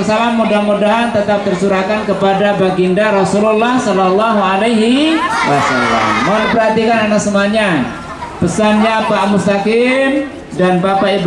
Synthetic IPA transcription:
ərsalamːudahmudaɦant̪ət̪ap̚t̪ərsuɾakankəpadabaɡindaɾɔsululːahsɔlɔlːaɦualajɦiwasala̰mːaudipərɦat̪ikananaksəmaɲa | pəsanɲapamust̪akɪm | danpapaib

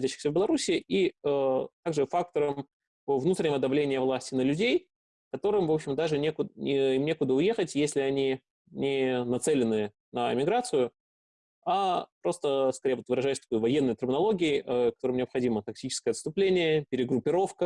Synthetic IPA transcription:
xɐdʲæɕːɪ̥xsʲəvbʲɪlˠɐɾusʲɪɪʔiət̪aɡʐɨfak̚t̪əɾəm | əvnut̪ɾʲɪnʲɪvəd̪ɐvlʲenʲɪjəvlˠasʲtʲɪnəlʲʉdʲej | kɐt̪o̞ɾɨmvo̞pɕɪmd̪aʐɨnʲekʊɪimnʲe̞kʊd̪əʊje̞xətʲjesʲlʲɪɐnʲi | nʲɪnɐt̪sɛlʲɪnɨ | nəɪ̰mʲɪɡɾat̪sɨjʊ | apɾo̞st̪əskɐɾʲejvo̞t̪vɨɾɐʐajɪsʲt̪ɐ̥ko̞jʊvɐjenːəjt̪ərmʲɪnɐlˠo̞ɡʲɪɪʔəkɐt̪oɾɨmnʲɪɐpxɐdʲimət̪ɐk̚tʲit͡ɕɪskəjəɐt̪st̪ʊplʲenʲɪjəpʲɪɾʲɪɡɾʊpʲːɪɾo̞fkə

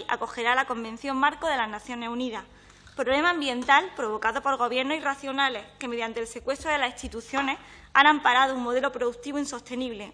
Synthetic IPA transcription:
a̰ko̞xe̞ɾalako̞mbẽ̞n̟θjo̞ŋmaɾkoðe̞laznaθjo̞ne̞suniðah | pɾo̞βle̞maːmbje̞nt̪alpɾo̞β̞o̞kaðo̞po̞ɾɣ̞o̞βje̞ɾnosiraθjo̞nale̞hkeme̞ðjant̪eːlse̞kwe̞st̪ɾoðelasihst̪it̪uθjo̞ne̞h | anampaɾað̞ouŋmo̞ð̞e̞lo̞pɾoðukt̪iβoinso̞st̪e̞niβ̞le̞

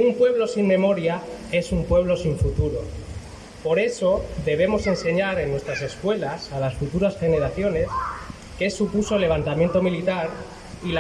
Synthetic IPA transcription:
umpwe̞βlo̞siŋmẽ̞mo̞ɾjae̞sumpwe̞β̞lo̞siɱfut̪uɾo̞̰ | po̞ɾe̞so̞ðe̞β̞e̞mo̞se̞nse̞ɲaɾe̞nːwest̪ɾase̞skwe̞lasalasfut̪uɾasxe̞ne̞ɾaθjo̞ne̞s | kesupuso̞lːe̞β̞ant̪amje̞nt̪o̞milit̪aɾ | il

